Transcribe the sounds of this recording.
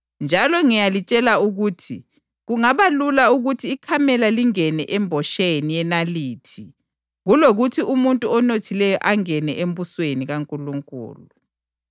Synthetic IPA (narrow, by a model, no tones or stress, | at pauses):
nd͡ʒʱalɔŋijalit͡ʃʼɛlauɣuːtʰi | ɣuŋaβalulauɣutʰiːkʰamɛlaliŋɛnɛʔɛmbʱɔʃenijɛnaliːtʰi | ɣuloɣutʰiumuntʼuɔnotʰilɛjɔʔaŋɛnɛʔembusweniɣaŋkʼuluŋkʼṵːlu